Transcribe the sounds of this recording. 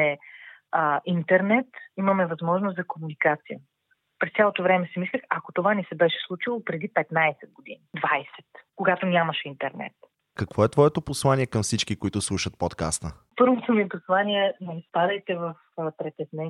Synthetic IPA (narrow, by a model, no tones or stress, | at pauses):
ɛəint̪ɛɾnɛt̪imɐmɛvɐzmɔʒnoszɐkomunikat̪sijə | pɾɛst̪sʲalˠot̪ovɾɛmɛsɛmislʲəxɐkot̪ovanɛsɛbɛʃɛ̥slˠut͡ʃilˠopɾɛd̪ipɛt̪najsɛd̪̚ɡod̪inid̪vajsɛ̥t̪koɡat̪onʲamɐʃint̪ɛɾnɛ̰t̪ | kɐkvɔɛt̪vɔɛt̪oposlˠanʲiɛkɐmfsit͡ʃkikoit̪ʊslˠuʃət̪̚pɔt̪ka̰st̪ə | pɤɾvot̪omiɛposlˠaniɛnɛispad̪əjt̪ɛvɐfəpɾɛt̪ɛznɛ